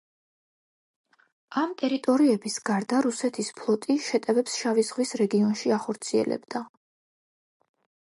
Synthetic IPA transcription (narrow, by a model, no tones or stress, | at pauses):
amt̪ʼɛɾit̪ʼɔɾiɛbisɡaɾd̪aɾusɛt̪ʰispʰlˠɔt̪ʼiʃɛt̪ʼɛvɛpsʃavizʁwisɾɛɡiɔnʃiaχɔɾt̪sʰiɛ̰lɛ̰bd̪̥a